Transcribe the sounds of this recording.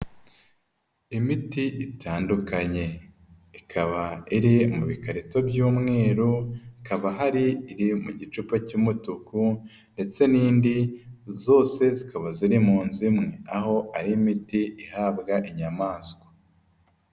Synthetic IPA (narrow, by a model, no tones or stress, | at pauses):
imitiʔitʰaːndukaɲe̞ | ikʰaβaiɾimuβikaɾito̞bɟuːmŋe̞ːɾuikaβaɦaɾiːɾimuɟit͡ʃupacumutuku | nde̞t͡se̞niːndizo̞ːse̞zikaβaziɾimuːnzimŋe̞aho̞ʔaɾimitiihaːbɡaʔiɲamaːsko̥